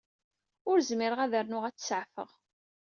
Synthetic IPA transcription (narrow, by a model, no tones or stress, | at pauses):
ʊɾzmɪɾəʁæðəɾnʊʁæt͡sːsəʕfə̰ʁ